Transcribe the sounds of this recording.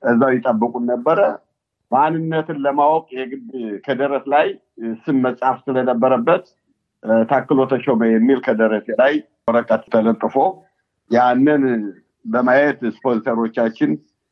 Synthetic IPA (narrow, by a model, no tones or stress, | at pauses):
ʔəzːawjɪt̪ʼəbːɨkʼunːəbːəɾə | manɨnːət̪ɨnləmawkʼjɛɡɨdkʰəd̪əɾəslaj | sɨmməsʼhafsɨlənəbːəɾəbːət̪ | t̪ʰakːɨlo̞t̪ʰəʃoməjɛmːilkʰəd̪əɾəselaj | əɾəkʼət̪t̪ʰələt̪ʼːɨfo̞ | janːən | bəmajɛt̪spozit̪ʰəɾo̞t͡ʃːat͡ʃːɪn